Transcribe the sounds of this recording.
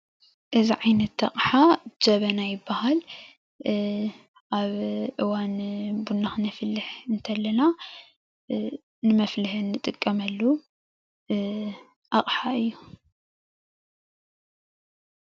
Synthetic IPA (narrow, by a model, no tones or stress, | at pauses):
ʔɨziʕajnɐt̪ːɐ̰χʼħad͡ʒɐβɐnajɪbːahal | ʔaβʔɨwanbunːaxnɨfɨlːɨħɨnt̪ʰɐlːɐna | nɨmɐflɨhɨnːɨt̪ʼɨkʼːɐmɐlːu | ʔɐχʼħaɨjːu